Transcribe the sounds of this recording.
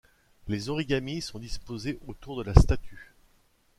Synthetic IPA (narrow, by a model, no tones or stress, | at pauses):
lezɔʁiɡʲamisɔ̃d̪ispozeʔot̪uʁd̪əlast̪at̪ʰy